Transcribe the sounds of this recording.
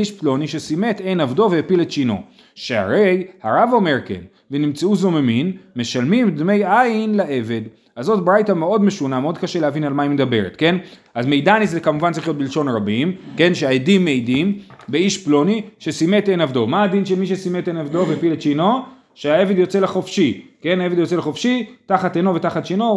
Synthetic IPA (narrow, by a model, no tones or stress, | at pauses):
iʃplo̞niʃesimete̞jnavdo̞vehːpilett͡ʃino̞̰ | ʃea̰ʁe̞jhaʁavo̞me̞ʁkḛn | venimt͡sauzo̞meminme̞ʃalmimd̪me̞jajinlaʔe̞ve̞d̪ | azo̞t̚bʁajtameo̞dme̞ʃunameo̞d̪̚kaʃelehavinalmaimed̪abe̞ʁḛt̪ke̞n | azme̞jd̪anizekamuvantt͡saʁiχjot̪̚bilʃo̞nʁabimke̞nʃeaedimːejdimbeiʃplo̞niʃesimetenavdo̞maːd̪inʃelmiʃ̬esimet̪enavd̪o̞vepilet̪t͡ʃino̞ | ʃeae̞ve̞d̪jo̞t͡se̞leχo̞fʃike̞naevedjo̞t͡seleχofʃitaχat̪ejno̞vetaχat̪t͡ʃino